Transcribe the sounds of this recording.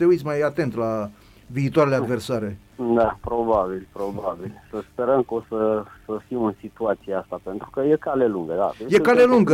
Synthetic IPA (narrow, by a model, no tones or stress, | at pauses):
t̪eujt̪sʲmajat̪e̞nt̪la | viːt̪owaɾelead̪ve̞rsaɾe | d̪apɾobabilpɾobabilsəspeɾəmkəosəsəfimɨnsit̪uat̪sijeast̪ape̞nt̪ɾukəjekaleluŋɡəd̪a̰ejekaleluŋɡə